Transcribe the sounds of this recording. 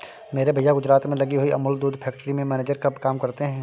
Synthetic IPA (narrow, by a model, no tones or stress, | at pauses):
meːɾebʱɐjaɡʊd͡ʒɾaːt̪mẽlɐɡiɦʊiʔɐ̰mʊld̪uːd̪pʰɛːk̚ʈəɾimẽmɛːneːd͡ʒəɾkɐbkaːmkɐɾt̪eɦɛ̃ː